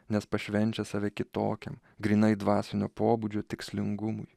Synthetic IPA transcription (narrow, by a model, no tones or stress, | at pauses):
nʲɛspɐʃʲʋʲɛnʲt͡ʃʲɛsɑʋʲɛkʲɪt̪o̰ːkʲɛ̰m | ɡɾʲiːnɐɪd̪ʋɑːsʲɪnʲoːpoːbud͡ʒʲoːt̪ʲɪksʲlʲɪŋɡʊmʊj